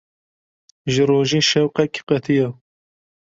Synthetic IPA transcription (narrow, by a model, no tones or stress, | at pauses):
ʒɨɾoːʒiːʃɛwqɛkqɛt̪ʰijɑ